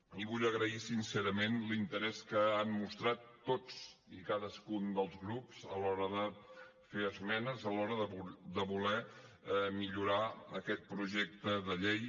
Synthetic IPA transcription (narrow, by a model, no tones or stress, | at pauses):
iβuʎəɣɾəisinsɛɾəmenlint̪əɾɛskəammust̪ɾat̪ːot͡sikaðəskund̪əlˠzɣɾupsəlɔɾəðə | feəzmɛnəzəlɔɾəðəd̪əβulɛ | miʎuɾaəkɛt̪̚pɾuʒɛk̚t̪əðəʎej